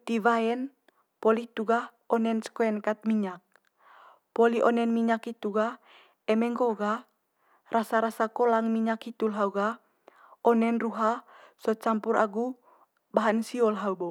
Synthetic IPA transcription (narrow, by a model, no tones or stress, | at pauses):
t̪ivaɛn | pɔlit̪uɡah | ɔnɛnskoɛnkat̪̚miɲak̚ | pɔliʔɔnɛnmiɲakit̪uɡa | ɛmɛŋɡɔɡa | rʔasaɾasakɔlaŋmiɲakhit̪ulɦauɡa | ɔnɛnruɦasɔt͡ʃampuɾa̰ɡu | baɦansiɔlɦaubɔ